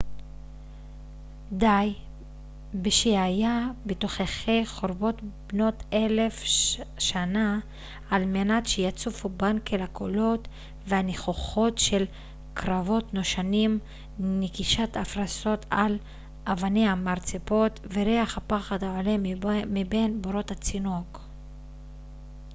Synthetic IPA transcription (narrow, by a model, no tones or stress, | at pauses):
daj | beʃeajabetoχeχejχoɾbo̞tbno̞tʰelefʃana | almenatʃejat͡sufubankelakʰolo̞t | veaneχoχo̞tʃe̞l | kɾavo̞tnoʃanim | nekiʃatafɾaso̞tʰal | ʔavanehamaɾt͡sepo̞tveɾeaχhapaχadaʕolemmibe̞nboɾo̞that͡sinok